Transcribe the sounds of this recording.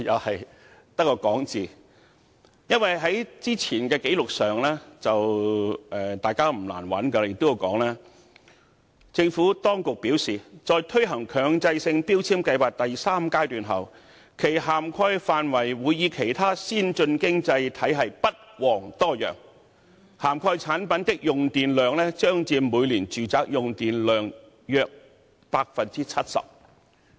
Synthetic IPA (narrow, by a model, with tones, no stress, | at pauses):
jɐ˨˧whɐ˨j | t̪ɐ˥kːɔː˧kɔː˨˥ŋt͡siː˨˩ | jɐ˥nwɐ˨˩jɦɐ˨˥jt͡siː˥t͡sʰiː˨˩nkɛː˧ke˨˥jlʊ˨k̚sœː˨ŋlɛː˥t͡sɐ˨wʔɛː˨˩t̪aː˨jkaː˥m̩˨˩la̰ː˨˩nwɐ̰˨˥nkɐ˧jɪ˨k̚t̪o˥ja˧wkɔː˨˥ŋlaː˥ | t͡sɪ˧ŋfuː˨˥t̪ɔː˥ŋkʊ˨k̚piː˨˥wsiː˨t͡sɔː˧jt̪ʰɵ˥ɥɦɐ˨˩ŋkʰœː˨˧ŋt͡sɐ˧jsɪ˧ŋpiː˥wt͡sʰiː˥mkɐ˧jwaː˨k̚t̪ɐ˨jsaː˥mkaː˥jt̪yː˨nɦɐ˨˩w | kʰe˨˩jɦaː˨˩mkʰɔː˧jfaː˨nwɐ˨˩jwuː˨˧jiː˨˧kʰe˨˩jt̪ʰaː˥siː˥nt͡ʃɵ˧nkɪ˥ŋt͡sɐ˧jt̪ʰɐ˨˥jɦɐ˨jpɐ˥t̚wɔː˨˩ŋt̪ɔː˥˩jœ̰ː˨˩ŋ | haː˨˩mkʰɔː˧jt͡sʰaː˨˥npɐ˨˦nt̪ɪ˥k̚jʊ˨ŋt̪iː˨nlœː˨˧ŋlɛː˥t͡ʃœː˥ŋt͡siː˧nmuː˨˧jliː˨˩nt͡ʃyː˨t͡saː˨k̚jʊ˨ŋt̪iː˨nlœː˨˧ŋ | jœː˧k̚ | paː˧k̚fɐ˨nt͡siː˥t͡sʰɐ˥t̚sɐ̰˨p̚